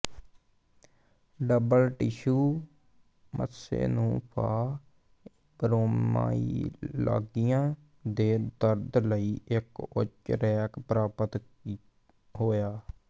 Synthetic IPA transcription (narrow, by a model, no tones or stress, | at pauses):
ɖəbəlʈɪʃuː | mə̰sḛːnũːpʰa̰ː | bəɾoːma̰ːḭːla̰ːɡijãː | d̪eːd̪əɾd̪ləiːʔɪkʊ̰t͡ʃɾɛːkpɾaːpət̪ | ɦoːjaː